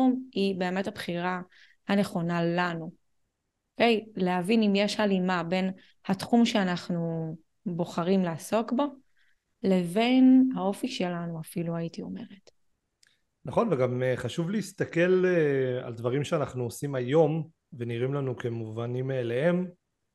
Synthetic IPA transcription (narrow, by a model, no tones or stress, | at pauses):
umibe̞ːme̞thabχiʁa | hane̞χo̞nalanu | oke̞jleavinimje̞ʃalimabe̞n | hatχumʃe̞anaχnu | bo̞χaʁimlaːso̞kbo | le̞ve̞nhao̞fiʃe̞lanuafiluaitio̞me̞ʁet | naχo̞nveɡameχaʃuvleist̪ake̞lea̰ld̪vaʁimʃeanaχnuosimajo̞m | veniʁimlanukemuvanimːlehe̞m